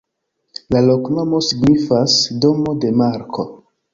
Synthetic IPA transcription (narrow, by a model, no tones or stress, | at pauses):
lalo̞kno̞mo̞siɡnifasdo̞mo̞de̞maɾkʰo̞